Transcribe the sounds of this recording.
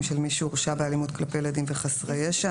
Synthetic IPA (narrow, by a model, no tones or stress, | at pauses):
mʃelmiʃuuʁʃabealimut̪klapejled̪imveχasʁejeʃa